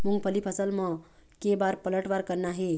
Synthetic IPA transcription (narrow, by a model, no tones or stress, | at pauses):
muŋɡpʰəlipʰəsəlmɔ̃kebaɾpələʈʋaɾkəɾnaɦe